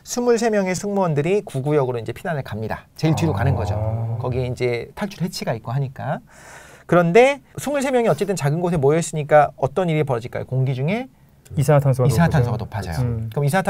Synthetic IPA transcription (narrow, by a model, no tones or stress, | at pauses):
sʰumuɭs̬ʰe̞mjʌŋe̞sʰɯŋmʌndɯɾikuɡujʌɡɯɾoind͡ʑe̞pʰinanɯɭkamɲida̰t͡ɕe̞iɭtiɾukanɯnɡʌd͡ʑo̰kʌɡie̞ind͡ʑe̞tʰaɭt͡ɕʰuɾɦet͡ɕʰiɡait̚k͈oɦaɲik͈a | kɯɾʌnde̞sʰumuɭsʰe̞mjʌŋiʌt͡ɕ͈e̞t͈ɯnt͡ɕaɡɯnɡos̬ʰemojʌs͈ɯɲik͈aʌt͈ʌniɾipʌɾʌd͡ʑiɭk͈a̰jo̰koŋɡid͡ʑuŋe̞ | isʰatʰansʰisʰaŋtʰansʰoɡanopʰad͡ʑʌ̰j̰o̰kɯmisʰaatʰ